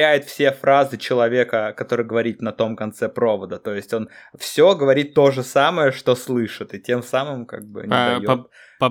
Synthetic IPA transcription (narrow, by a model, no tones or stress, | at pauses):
æjɪt̪fsʲe̞fɾazɨt͡ɕɪlˠɐvʲe̞kəkɐt̪o̞ɾɨjɡəvɐɾʲit̪nɐt̪o̞mkɐnt̪sɛpɾo̞vəd̪ət̪o̞jɪsʲtʲo̞nfsʲoɡəvɐɾʲit̪ːo̞ʐɨsaməjəʂt̪o̞slˠɨʂɨt̪ɨtʲe̞msamɨmka̰ɡ̚bɨ̰nɪd̪ɐjo | p